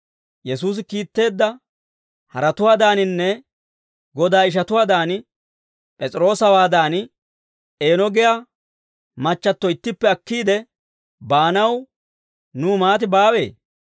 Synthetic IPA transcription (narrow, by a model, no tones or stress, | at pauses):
jɛsuːs̬ɪkiːt̪ːe̞ːd̪ːɐ | hɐɾɐt̪ʊwaːd̪aːnɪnːɛ | ɡɔd̪aːɪʃ̬ɐt̪ʊwaːd̪aːnɪ | pʼɛt͡sʼɪɾo̞ːsɐwaːd̪aːnɪ | e̞ːnɔɡɛja | mɐt͡ʃːɐt̪ːɔɪt̪ːɪpːɛɐkːiːd̪ɛ | baːnɐw | nuːmaːt̪̬ɪbaːwe̞̰ː